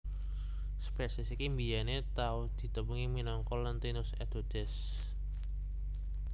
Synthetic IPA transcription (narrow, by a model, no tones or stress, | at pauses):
spɛsɪsikimbijanet̪aʊhd̪̥i̤t̪əmbuŋiminɔŋkɔlənt̪inʊsɛd̪̥o̤d̪̥ɛs